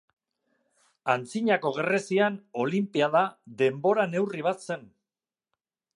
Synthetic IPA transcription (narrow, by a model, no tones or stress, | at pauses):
ant͡siɲako̞ɣ̞e̞re̞siano̞limpiaðaðe̞mbo̞ɾane̞wriβ̞at̪se̞n